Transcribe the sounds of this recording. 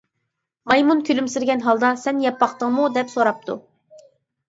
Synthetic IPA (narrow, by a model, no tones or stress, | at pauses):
mɑjmunkʲʰølymsɪɾɡʲɛnɦɑlˠd̪ɑsɛnjɛpːɑχt̪əŋmud̪ɛpsoɾɑp̚t̪ʰṵ